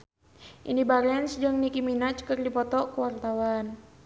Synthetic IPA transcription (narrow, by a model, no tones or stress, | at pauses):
ʔḭndibaɾɛnsd͡ʒɨŋnikiminat͡ʃkɨrdipɔt̪ɔkəwart̪awan